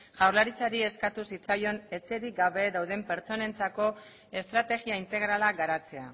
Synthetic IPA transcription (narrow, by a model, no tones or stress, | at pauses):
ʝawɾlaɾit͡saɾie̞skat̪usit͡sajo̞ne̞t͡se̞ɾiɡaβe̞ðawðe̞mpe̞ɾt͡so̞ne̞nt͡sako̞ | e̞st̪ɾat̪e̞ɣiaint̪e̞ɣ̞ɾalaɡaɾat͡se̞a